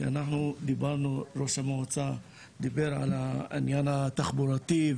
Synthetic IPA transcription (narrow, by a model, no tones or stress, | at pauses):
ia̰naħnud̪ibaɾnuɾo̞ʃameut͡sa | d̪ibeɾʕa̰laḭnjanat̪aχboɾat̪i